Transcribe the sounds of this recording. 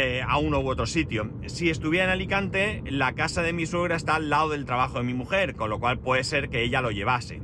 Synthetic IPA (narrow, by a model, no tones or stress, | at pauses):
aunowo̞t̪ɾo̞sit̪jo̞ | sie̞st̪uβje̞ɾaenalikant̪e̞lakasaðe̞miswe̞ɣ̞ɾae̞st̪aːlːaoð̞e̞lt̪ɾaβaxoðe̞mimuxe̞ɾko̞nlo̞kwalpwe̞ðese̞ɾke̞eʎalo̞ʝe̞βase̞̰